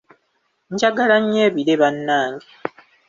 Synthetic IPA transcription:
ɲd͡ʒaɡalaɲːeːβiɾeβanːaːŋɡe

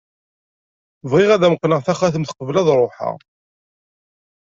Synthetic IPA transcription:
vʁɪʁæðæməqːnəʁθæχaθəmθə̥qəvlæðɾˤoħa̰

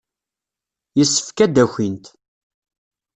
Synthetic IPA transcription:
jəsːə̥fkæd̪æçʷint̪

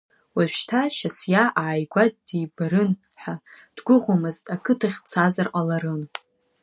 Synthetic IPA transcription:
wapʰʃtʰaʃasjaʔaʕajɡʷad̚dibaɾɨn | ħad̥ɡʷʊʁomɨztʼakʰɨtʰaχʲt͡sʰazarqalaɾɨn

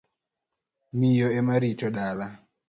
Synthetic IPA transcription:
mijɔɛmaɾitɔɗala

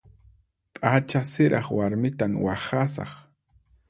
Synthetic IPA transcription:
pʼat͡ʃasɪɾʔɑχwaɾmɪt̪amwaχasɑ̰χ

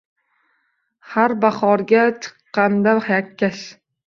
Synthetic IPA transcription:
haɾbaχɒɾɡʲat͡ʃʰɨ̥qːɑnd̪ahajakʲʰːaʃ

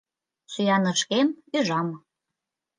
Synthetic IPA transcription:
syjɑnə̆ʃkemyʒɑmɤ̆

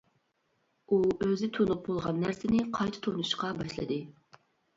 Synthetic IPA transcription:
uøzɪt̪ʰonup̚bolˠʁɑnːæɾsɪnɪqʰɑjt̪ʰɨ̥t̪ʰonuʃqɑbɑʃlˠɨ̰d̪ɨ

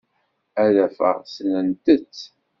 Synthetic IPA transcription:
æðæfə̰ʁsnənt̪ət͡sː

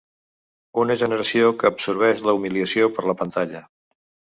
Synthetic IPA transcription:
unəʒənəɾəsiokəːbsuɾβ̞ɛʃləumiliəsiopəɾləpənt̪aʎə

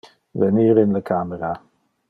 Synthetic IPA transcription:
vəniːɾɪnləkʰaməɾa

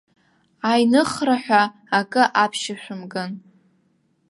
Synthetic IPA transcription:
ajnɨχraħʷᶣaː | kʼɨʔapʰʃɪʃʷᶣʊmɡʼɨn

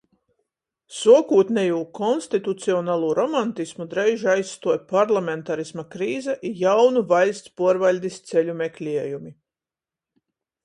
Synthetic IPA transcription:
suɔkuːt̪nɛjuːkɔnst̪it̪ut̪siɔnaːlˠuːɾɔmant̪ismud̪ɾɛjʒajsːt̪uɔjpaɾlˠamʲɛnt̪aɾismakɾiːzɛʔijawnuvalʲst̪spuɔɾvalʲd̪ist̪sɛʎʲumɛklʲiɛjumi

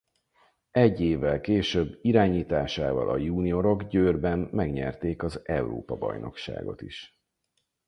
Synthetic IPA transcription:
ɛɟːeːvːɛlkeːʃøbːiɾaːɲiːt̪aːʃaːvɒ̰lʔɒjuːnio̞ɾo̞ɡɟøːrbɛmːɛɡɲɛ̰rt̪eːkɒzɛuro̰ːpɒbɒ̰jno̞̰kʃa̰ːɡo̞̰t̪iʃ

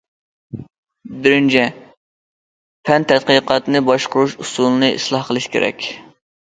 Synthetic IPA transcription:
bɪɾɪnt͡ʃʰɛ | pʰɛnt̪ʰɛt̪̚qəqɑt̪nɨbɑʃqʊɾuʃusulˠɨnɨḭslˠɑhqʰəlˠɨʃkʲḛɾɛ̰kʲ

